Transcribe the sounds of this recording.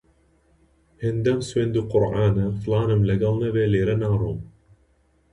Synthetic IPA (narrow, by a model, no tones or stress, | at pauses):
hɪnd̪ɐmswend̪uqʊɾʕaːnɐflɑːnɨmləɡɐlˠnɐveleːɾɐnaːɾum